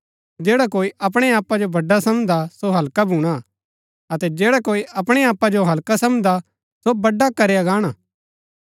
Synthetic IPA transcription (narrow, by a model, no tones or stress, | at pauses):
d͡ʒeːɽakoːiʔɐp̬ɽ̃eaːpːad͡ʒobɐɖːasɐmd̪asoɦɐlkabʱuːɽ̃a | ɐt̪ɛd͡ʒeːɽakoːiʔɐpɽ̃eaːpːad͡ʒoɦɐlkasɐmd̪a | sobɐɖːakɐɾejaɡaːɽ̃aː